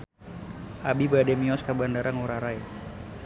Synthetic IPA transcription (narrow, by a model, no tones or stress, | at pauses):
ʔabibadɛmiɔskabandaɾaŋuɾaɾaj